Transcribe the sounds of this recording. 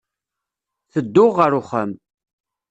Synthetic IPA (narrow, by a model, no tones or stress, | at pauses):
θəd̪ːʊʁːəɾʊχəm